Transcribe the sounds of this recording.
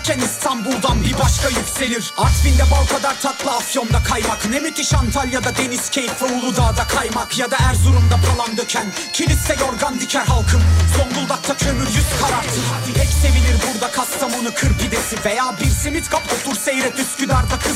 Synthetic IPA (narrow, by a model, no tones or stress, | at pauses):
cʰʲænist̪ʰanbulˠd̪anbiɾbaʃkʰajycse̞lʲiɾaɾt̪find̪ɛbalˠkʰad̪aɾt̪ʰat̪lˠɯasjo̞nd̪akʰajmaknɛmyt̪ʰiʃant̪ʰalʲjad̪ad̪e̞niscʲʰejt̪fɾoulˠud̪aːd̪akʰajmakjad̪aæɾzuɾumd̪akʰalˠand̪ɯɾcʰæn | cʰilʲist̪ɛjo̞ɾɡand̪icʰæɾɦalˠkʰɯmso̞nbulˠd̪ak̚t̪ʰacʰø̞myɾjyst̪kʰaɾaɾt̪ʰɯhɛcse̞vilʲiɾbuɾd̪akʰast̪amanɯkʰɯɾpid̪e̞sivejaːbiɾsimit̪kʰapot̪uɾsejɾɛt̪yscyd̪aɾd̪akʰɯ